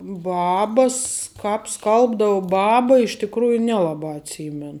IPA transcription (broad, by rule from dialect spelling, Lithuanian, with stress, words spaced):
ˈbɑːbɐ s ˈkɑːp ˈskɐlˠbdɐʊ ˈbɑːbɐ ɪʃ tʲɪkˈruːjʊ ˈnʲæːlˠɐˌbɑː ɐtʲˈsʲiːmʲɛn